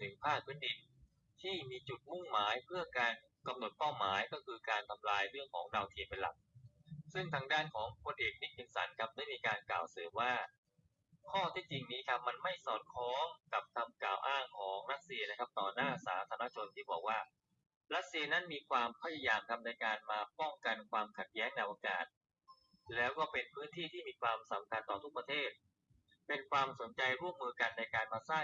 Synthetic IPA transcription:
t̪ʰɯ˨˩˦pʰaː˥˩k̚ʰːɯː˧˥˩ndi˧n | t̪ʰiː˥˩miː˧t͡ɕu˨˩t̪̚mu˥˩ŋmaː˩˦jpʰɯ˥˩ɐkaː˧n | ka˧mno˨˩t̪̚pa˥˩wmaː˩˦jkɔː˥˩kʰɯː˧kaː˧nt̪ʰa˧mlaː˧jɾɯ˥˩əŋkʰɔ̰ː˩˦ŋdaː˧wt̪ʰi˧pe˧nla̰˨˩k̚sɯ˥˩ŋt̪ʰaː˧ŋdaː˥˩nkʰɔː˩˦ŋkʰu˧nʔeː˨˩k̚mi˦˥˩t̪̚ki˧nsa̰˩˦nkʰa˦˥p̚da˥˩jmiː˧kaː˧nkla̰ː˨˩wsɤː˩˦mwaː˥˩ | kʰɔː˥˩t̪ʰi˦˥˩t͡ɕi˧ŋniː˦˥kʰa˦˥p̚ma˧nma˥˩jsɔː˨˩t̪̚kʰɔː˦˥mka˨˩p̚t̪ʰa˧mklaː˨˩wʔaː˥˩ŋkʰɔː˩˦ŋɾa˦˥t̪̚si˧ɐna˦˥kʰa˦˥p̚t̪ɔː˨˩naː˥˩saː˩˦t̪ʰaː˧˦˥t͡ɕʰo˧nt̪ʰiː˥˩bɔː˨˩k̚waː˥˩ | ɾa˦˥t̪̚si˧ɐna˦˥nmiː˧kʰwaː˧mpʰa˧˩ja˧jaː˧mkʰa˦˥p̚na˧jkaː˧nmaː˧pɔ˥˩ŋka˧nkʰwaː˧mkʰa˨˩t̪̚jɛː˦˥ŋna˧˩jʔaː˧ka̰ː˨˩t̪̚ | lɛː˦˥wkɔː˥˩pe˧npʰɯː˦˥nt̪ʰiː˥˩t̪ʰiː˥˩miː˧kʰwaː˧msa˩˦mkʰa˧nt̪ɔː˨˩t̪ʰu˦˥k̚pɾa˧t̪ʰeː˥˩t̪̚ | pe˧nkʰwaː˧mso˩˦nt͡ɕa˧jɾu˥˩əmːɯː˧ka˧nːa˧jkaː˧nmaː˧saː˥˩

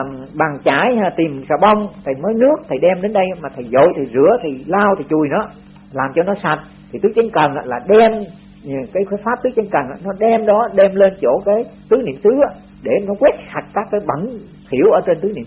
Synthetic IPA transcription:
ɓa˨˩ŋt͡ɕaː˧˩˦ja˧˩t̪i˨˩msaː˧˩ɓa˧wŋ͡mt̪ʰə˨˩məː˨˦jnɨ˦˥ək̚t̪ʰə˨˩jɗɛ˧mɗe˨˦nɗə˧jmaː˨˩t̪ʰə˨˩jzo̰˧˨jt̪ʰi˨˩zɨ̰˧˥ət̪ʰi˨˩laː˧wt̪ʰi˨˩t͡ɕu˨˩jnɔ˨˦ | laː˨˩mt͡ɕɔ˧nɔ˨˦sa˨˩t̚ | t̪ʰi˨˩t̪ɨ˨˦˥t͡ɕə˨˦n̟kə˨˩nʔa̰ː˧laː˨˩ɗɛ˧m˨˩ | kaː˨˦jːjfaː˦˥p̚t̪ɨ˨˦˥t͡ɕə˧˦ŋkə˨˩naː˧˥nɔ˨˦ɗɛ˧mɗɔ˨˦ɗɛ˧mle˧nt͡ɕo˧˩kaː˨˦jt̪ɨ˨˦nḭ˧˩əmt̪ɨ˨˦aː˧˦ | ɗe˧˩nɔ˨˦kwi˦˥ət̚sa˨˩t̚kaː˦˥kːaː˨˦jɓə˧˩˦n | t̪ʰi˧˩əwʔəː˧˩˦t͡ɕe˧nt̪ɨ˨˦nḭ˧˨ə˦

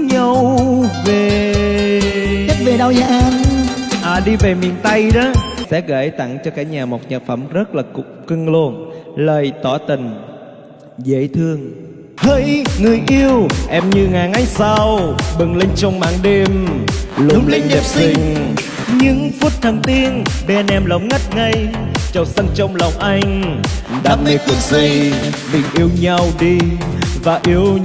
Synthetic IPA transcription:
ɲə˨˧˩wve˨˩ | ə˦˥t̚ve˨˩ɗa˧wza̰ː˧˦ŋʔaː˨˩ɗi˧ve˨˩mḭ˨˩ənt̪a˧jɗɔ˨˦sɛ̰˧˥ɣə̰ː˧˩jt̪a˧˩ŋt͡ɕɔ˧kaː˧˩˥ɲaː˨˩mo˨˩t̚ɲə˨˩fə˧˩mzə˦˥t̚laː˨˩kŋ͡mkɨ˧ŋlo˧ənləː˨˩jt̪ɔ˧˩˦t̪ï˨˩ŋ̟ | zə̰˧˩t̪ʰɨ˧əŋ | hə˧˦jŋɨ˨˩əjʔi˧əwʔɛ˧mɲɨ˧ŋaː˨˩ŋʔa˧j̟sa˧wɓɨ˨˩ŋle˧ŋ̟t͡ɕɔ˧wŋ͡mma̰ː˨˥ŋɗe˧mlʊ˧ŋ͡mle˧ŋ̟ɗɛ˨˩p̚si˧˩ŋ̟ | ɲɨ˧˥ŋfu˦˥t̚t̪ʰə˨˩ŋt̪i˧ənɓɛ˧nɛ˧mlə˨˦wŋ͡mŋa˦˥t̚ŋa˧jt͡ɕə˨˩wsa˧ŋt͡ɕɔ˧wŋ͡mlɔ˨˩wŋ͡mʔa˧jŋ̟ɗaː˨˧˩ni˨˧knsi˧ | mï˨˩ŋ̟ʔi˧əwɲa˧wɗi˧vaː˨˩ʔi˧əw

